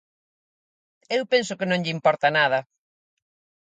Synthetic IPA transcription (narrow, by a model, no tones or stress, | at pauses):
ewpens̬ʊkɪnõŋʎɪimpɔɾt̪ɐnað̞ɐ